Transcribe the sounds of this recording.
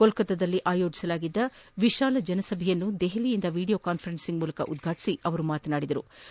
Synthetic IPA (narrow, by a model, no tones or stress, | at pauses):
kolkɐt̪ɐd̪ɐlːiʔaːjoːd͡ʒi̥sɐlaːɡid̪ːɐʋiʃaːlɐd͡ʒɛnɐsɐbʱɛjɐnːud̪eɦelijind̪ɐʋiːɽijoːkaːnpʰɐɾensiŋɡmuːlɐkɐʔud̪ɡʱaːʈi̥siʔɐʋɐɾumaːt̪ɐnaːɽid̪ɐɾṵ